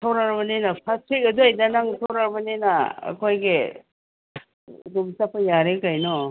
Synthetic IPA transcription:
tʰawɾaɾbɐnenɐpʰastɾik̚ɐduajdanaŋsʰawɾaɾbɐnenaɐ̰kʰojɡe | domsapʰajaɾekajnɔ

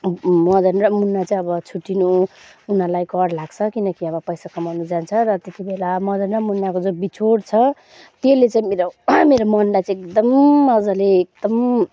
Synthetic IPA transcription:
mʌd̪ʌnramunːat͡saĩʌbʌt͡sʰuʈːinuunalajkʌɽlaɡt͡sʰʌkinʌkiʌbʌpʌjsakʌmʌwnnud͡zant͡sʰʌɾʌt̪et̪ibelamʌd̪ʌnramunːakod͡zobit͡sʰoɽt͡sʰʌ | t̪elet͡saĩmeɾomeɾomʌnlajt͡sãekd̪ʌmʌd͡zʌleːk̚d̪ʌm

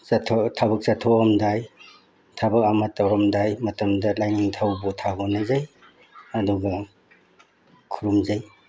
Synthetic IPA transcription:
tʰotʰaβɐk̚sɐtʰoɔmdaj | tʰabɐk̚amɐtːawɾɔmdajmɐtɐmdɐlajniŋtʰawbutʰaɡɔnazaj | ɐduɡɐ | kʰuɾumzaj

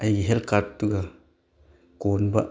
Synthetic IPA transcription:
ɐjɡiɦelkaɾtːuɡɐ | konbɐ̰

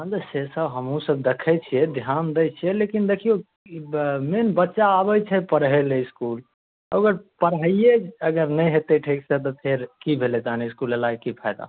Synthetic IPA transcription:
ə̃nd̪sesəbɦəmɦũsəb̚d̪ekʰɛt͡ʃʰijɛd̪ʱjand̪ejt͡ʃʰijɛlekind̪ekʰijo | menbətːʃaːbəjt͡ʃʰɛpəɾɦeleɪskul | əɡəɾpəɾɦəieəɡəɾnəɦet̪eʈʰiksə̃t̪̬ɔp̪ʰeɾkibʱeled͡ʒaneiskulelaɡkipʰajd̪a̰

